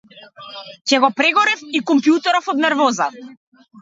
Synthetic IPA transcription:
cɛɡɔpɾɛɡɔɾifikɔmpjut̪ɛɾɔfɔd̪nɛɾvɔza

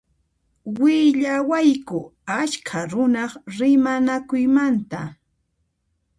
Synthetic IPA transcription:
wɪʎawajkʊaʃkʰaɾʊnɑχɾɪmanakʊjmant̪a

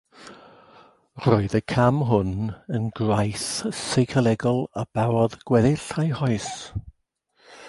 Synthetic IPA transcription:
roːɨðəkʰamɦʊnənɡrajsejkʰəlɛɡɔlˠab̥awɔðɡ̥wɛðɪɬajhɔɨs

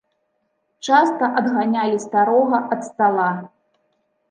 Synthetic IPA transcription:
t͡ʂast̪ɐʔɐd̪ɣanʲalʲist̪aɾɔɣɐʔɐt̪st̪alˠa

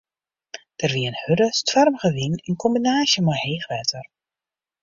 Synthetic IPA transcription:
d̥ərʋiənhʏdəstʋarmχəʋinɛnkɔmbinaːʃjəmaheːxʋɛtʰər

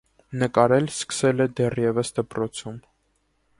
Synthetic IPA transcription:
nəkɑɾɛlskə̥sɛlɛd̪ɛrjɛvəsd̪əpɾɔt͡sʰum

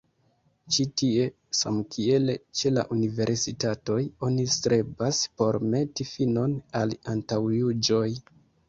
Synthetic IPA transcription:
t͡ʃitie̞ | samkʰie̞let͡ʃe̞la̰ʔunive̞ɾsitato̞jo̞nistɾe̞baspo̞ɾme̞tifino̞nalantawjud͡ʒo̞j

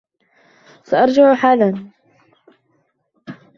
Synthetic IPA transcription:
saʔɑɾˤd͡ʒaʕħaːlan

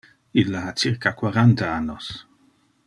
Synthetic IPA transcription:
ilːaat͡sirkakwaɾant̪aanːos

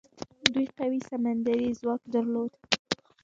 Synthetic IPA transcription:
d̪ujqawisamand̪aɾizwɑkd̪əɾlod̪

